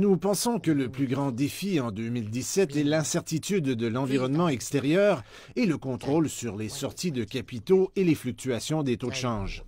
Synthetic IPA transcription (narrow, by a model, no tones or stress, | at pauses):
nupɑ̃sɔ̃kələplyɡʁɑ̃d̪efiɑ̃d̪ømild̪isɛt̪ɛlɛ̃sɛʁt̪it̪yd̪ːəlɑ̃viʁɔnmɑ̃ɛkst̪eʁjœːʁ | eləkɔ̃t̪χolsyʁlesɔʁt̪id̪əkʲapit̪oeleflyk̚t̪yasjɔ̃d̪et̪od̪əʃɑ̃ʒ